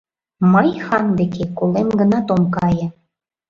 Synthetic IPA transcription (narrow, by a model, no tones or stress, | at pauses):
məjxɑnd̪ekekolemɡə̆nɑt̪omkɑjə̆